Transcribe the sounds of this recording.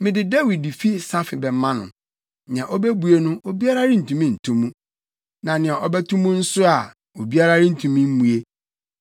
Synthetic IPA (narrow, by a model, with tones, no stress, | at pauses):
mɪ̃˨dɪ˨da˦wi˨di˨fi˦sa˦fɪ˨bɛ˨m˦mã˦nʊ̰̃˨ | nɪ̃˨ã˨ʔɔ˦bɛ˦bu˨e˦nʊ̃˦ʔo˦bi˦a˦ɾa˦ɾɪ˦n̩˨tʰũ˨mĩ˦˨n̩˨tʰũ˦mːũ˦ | nã˨nɪ̃˨a˨ʔɔ˦bɛ˦tʰũ˦mũ˦n̩˦sʊ˦a˨ | o˨bi˦a˦ɾa˦ɾɪ˦n̩˨tʰũ˨mĩ˦m̩˦mũ˨e˦